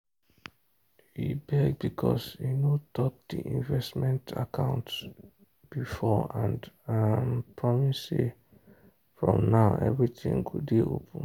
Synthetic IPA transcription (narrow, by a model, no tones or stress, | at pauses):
hibɛɡ̚bikʰɔshinotʰɔp̚d̪̥iʔĩnvɛstmɛ̃ntʰa̰kʰãʊ̃nt | b̥ifɔãndampʰɹɔmise | fɹɔ̃mnaʊʔɛ̰vɹiθḭ̃ŋkʰudiopʰə̃n̩